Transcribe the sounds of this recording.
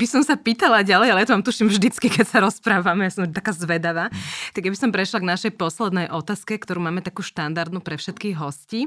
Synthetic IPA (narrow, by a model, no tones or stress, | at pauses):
bisɔmsapiːt̪alaɟalɛjalɛjat̪ɔʋamt̪uʃimvʒd̪it͡skikɛcsaɾɔspɾaːʋamɛjasɔmt̪akaːzʋɛd̪aʋaːt̪aɡjabisɔmpɾɛʃlaɡnaʃɛjpɔslɛd̪nɛjʔɔt̪aːskɛkt̪ɔɾuːmaːmɛt̪akuːʃt̪and̪aɾd̪nupɾɛfʃɛt̪kiɣɦɔsciː